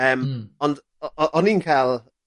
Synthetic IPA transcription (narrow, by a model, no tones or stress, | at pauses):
əːmɔnd | ɔʔɔʔɔniːnkʰalˠ